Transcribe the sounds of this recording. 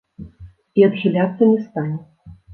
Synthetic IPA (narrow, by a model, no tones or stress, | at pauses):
iɐd̪ɣʲilʲat̪sːɐnʲɛst̪anʲɛ